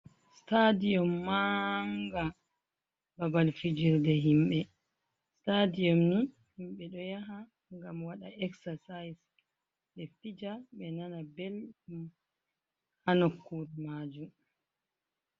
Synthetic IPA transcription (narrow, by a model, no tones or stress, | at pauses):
stadijɔmːaŋɡa | babalfid͡ʒiɾdɛɦimɓɛ | stadiɔmni | himɓɛɗɔjaɦa | ŋɡamwaɗaʔɛksasajs | ɗɛftid͡ʒaɓɛnanabelɗum | hanokːuɾmaːd͡ʒum